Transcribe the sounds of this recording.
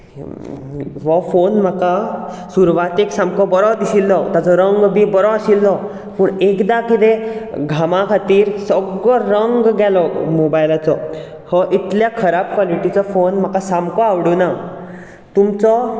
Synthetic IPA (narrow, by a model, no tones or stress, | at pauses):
ʋɔfonm̤aka | suɾʋat̪eksamkɔbɔɾɔd̪isilːɔt̪jat͡sɔɾəŋɡbibɔɾɔasilːɔ | puːɳekd̪akit̪ẽɡʱamakʰat̪iːɾsɔɡɭɔɾəŋɡɡɛlɔmobajlat͡sɔ | hɔʔit̪ljakʰəɾab̚kʋaliʈit͡sɔfonm̤akasamkɔaʋɽona | t̪umt͡sɔ